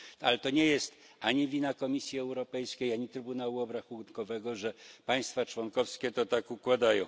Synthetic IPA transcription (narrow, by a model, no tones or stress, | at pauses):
alɛt̪ɔɲɛjɛst̪ | aɲivʲinakɔmʲisʲjiɛwɾɔpɛjskʲejaɲit̪ɾɘbunawuɔbɾaxunkɔvɛɡɔʐɛpaj̃st̪fat͡ʂwɔnkɔfskʲɛt̪ɔt̪akukwad̪ajɔ̃w̃